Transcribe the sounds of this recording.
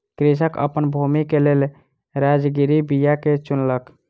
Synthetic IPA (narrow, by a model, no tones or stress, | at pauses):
kɾis̬əkə̰pənbʱumikelel | ɾad͡ʒɡiɾibijaket͡ʃunlək